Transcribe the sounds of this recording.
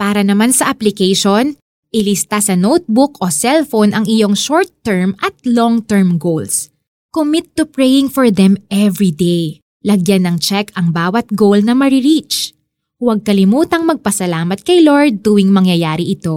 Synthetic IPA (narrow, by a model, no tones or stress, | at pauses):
paːɾɐnɐmansɐʔɐplɪkejʃon | ʔɪlɪst̪asɐnowt̪̚bʊkʔosɛlfonʔɐŋɪjo̞ŋʃoɹt̪ːɛɹmʔɐt̪̚loŋt̪ɛɹmɡowls | komɪt̪ːʊpɹɛjɪŋfɔɹðɛmɛvɹid̪ej | lɐɡjanːɐŋt͡ʃɛkɐŋbaːwɐt̪̚ɡowlnɐmɐɾɪɹit͡ʃ | wɐɡ̚kɐlɪmuːt̪ɐŋmɐɡ̚pɐsɐlaːmɐt̪̚kɐjloɹd̪̚ːuwɪŋmɐŋjɐjaːɾɪʔɪt̪o̞